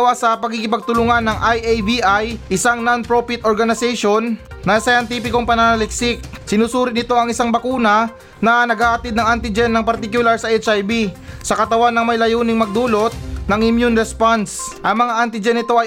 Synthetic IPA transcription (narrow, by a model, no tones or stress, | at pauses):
wasɐpɐɡiːɡɪpɐɡ̚t̪ʊlʊŋanːɐŋʔajʔejbiʔajʔɪsaŋnonpɾopɪt̪ʔoɹɡɐnɪsɛjʃo̞nː | ɐsɐjɐnt̪iːpɪko̞ŋpɐnanɐlɪksɪk̚sɪnuːsuːɾɪnɪt̪o̞ɐŋɪsaŋbɐkuːnɐ | nɐnɐɡaʔɐt̪ɪd̪nɐŋʔant̪ɪd͡ʒɛnːɐŋpɐɾt̪ɪkjʊlaɹsɐʔɛt͡ʃajbisɐkɐt̪ɐwanːɐŋmɐjlɐjuːnɪŋmɐɡ̚d̪uːlo̞t̪̚nɐŋʔɪmjunɾɛspansʔɐŋmɐŋaʔant̪ɪd͡ʒɛnːɪt̪o̞ʔɐj